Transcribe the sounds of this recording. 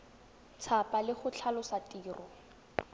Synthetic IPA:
t͡sʰapalɪχʊt͡ɬʰalʊsatʼiːrʔɔ

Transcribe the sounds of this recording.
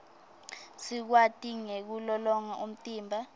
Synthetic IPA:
sik̬watʼiŋek̬ulɔlɔŋaʔum̩tʼiːmbʱa

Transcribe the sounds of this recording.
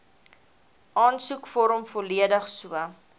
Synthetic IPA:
ʔɑːnsukfɔɾəmfɔliədəχsuə

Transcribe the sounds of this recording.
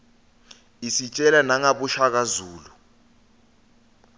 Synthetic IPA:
isit͡ʃʼɛlanaŋaɓuʃak̬azuːlu

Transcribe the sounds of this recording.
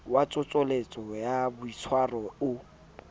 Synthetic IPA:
wat͡sʼʊt͡sʼɔlet͡sʼɔjabʊit͡sʰwarɔʊ

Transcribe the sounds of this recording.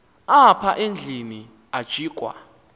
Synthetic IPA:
apʰaʔend͡ɮʱini | ad̥ʒ̥ʱiːkʼwa̰

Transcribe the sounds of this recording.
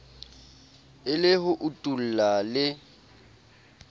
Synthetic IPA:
ɪlɪɦʊʔʊtʼul̩lalɪ

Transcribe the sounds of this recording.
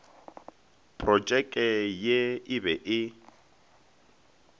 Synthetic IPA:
pʼrɔt͡ʃʼɛkʼɛjeɪβɛʔɪ

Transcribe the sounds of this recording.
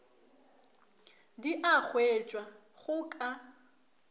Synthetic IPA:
diʔak͡xʰwɛt͡ʃʼwaɣʊkʼa

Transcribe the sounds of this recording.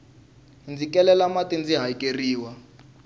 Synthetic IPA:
nd͡zikɛlɛlamatind͡ziɦaikeriːwa

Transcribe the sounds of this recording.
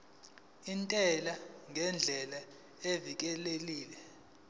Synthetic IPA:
intʼɛlaŋʱɛnd͡ɮʱɛla | evik̬ɛleliːlɛ

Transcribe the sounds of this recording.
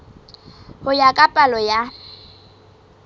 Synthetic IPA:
hʊjakʼapʼalɔja

